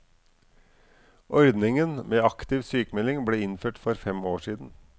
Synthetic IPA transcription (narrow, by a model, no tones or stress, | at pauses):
ʔɔɾd̪nɪŋənmeːɑkt̪ɪʋsyːkmɛlɪŋbleːɪnføːʈfɔɾfɛmoːʂiːd̪n̩